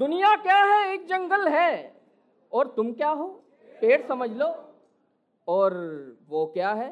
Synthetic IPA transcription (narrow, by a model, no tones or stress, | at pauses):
d̪ʊnijakjaːɦɛeːk̚d͡ʒɐ̃ŋɡəlɦɛ | ɔːɾt̪ʊmkjaːɦoː | peːɽsɐməd͡ʒʱloː | ɔːɾʋokjaɦɛː